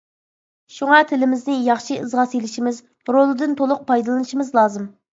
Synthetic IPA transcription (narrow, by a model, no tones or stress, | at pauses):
ʃuŋɑt̪ʰɪlɪmɪznɪjɑχʃiʔɨzʁɑselɪʃimɪz | ɾolˠɨd̪ɪnt̪ʰolˠʊq̚pɑjd̪ɨlˠɨnɨʃimɨzlˠɑːzɨm